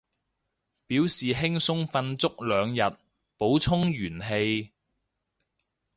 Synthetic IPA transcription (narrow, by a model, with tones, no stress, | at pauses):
piː˨˥wsiː˨ɦɪ˥ŋsʊ˥ŋfɐ˧nt͡sʊ˥k̚lœː˨˧ŋjɐ˨t̚ | po˨˥wt͡sʰʊ˥ŋjyː˨˩nɦe˧j